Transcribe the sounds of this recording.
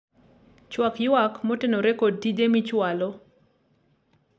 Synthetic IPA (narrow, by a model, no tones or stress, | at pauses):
t͡ʃwakjʊakmɔtɪnoɾekod̚tidemit͡ʃwalɔ